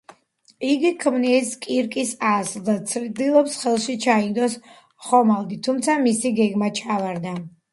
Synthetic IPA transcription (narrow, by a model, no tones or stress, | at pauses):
iɡikʰmniskʼiɾkʼisasld̪at̪sʰɾd̪ilˠɔpsχɛlˠʃit͡ʃʰaind̪ɔs | χɔmalˠɡ̪it̪ʰumt̪sʰamisiɡɛɡmat͡ʃʰavaɾd̪a